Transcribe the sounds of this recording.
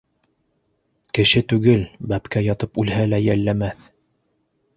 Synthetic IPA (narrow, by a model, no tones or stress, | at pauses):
kɘ̆ʃɘt̪ʉɡɘlbæpkæjɑt̪ɤpʉlɦælæjælːæmæθ